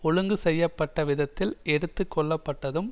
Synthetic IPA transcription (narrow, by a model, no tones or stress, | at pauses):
ɔɻɯŋɡɯsɛjːɐpːɐʈːɐʋɪðɐt̪ːɪlɛɽɯt̪ːɯkʰːɔɭːɐpːɐʈːɐðɯm